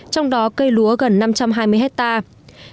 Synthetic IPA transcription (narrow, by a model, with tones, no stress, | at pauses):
t͡ɕɔ˧wŋ͡mɗɔ˨˦kə˧jlu˨˦əɣə˨˩nːa˧mt͡ɕa˧mɦaː˧jmɨ˧ɦɛ˦˥t̚t̪aː˧